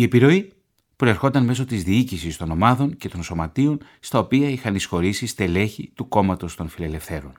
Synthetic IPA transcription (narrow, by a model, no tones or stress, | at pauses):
ie̞piɾo̞i | pɾo̞e̞ɾxo̞nt̪ɐnm̞so̞t̪izðiicisist̪o̞no̞mɐðo̞ɲce̞t̪o̞nso̞mɐt̪io̞n | st̪ɐo̞piɐixɐnisxo̞ɾisist̪e̞le̞çit̪uko̞mɐt̪o̞st̪o̞nfile̞le̞fθe̞ɾo̞̰n